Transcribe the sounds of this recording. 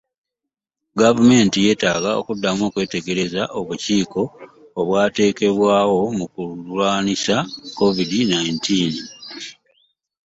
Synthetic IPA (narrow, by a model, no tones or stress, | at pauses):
ɡavume̞ːntije̞ːtaːɡao̞̰kudːamo̞ːkwe̞ːte̞ɡe̞ɾe̞zaʔo̞βuciːko̞ː | βwaːte̞ːke̞βwaːwo̞mukulwaːnisako̞vidinajintiːn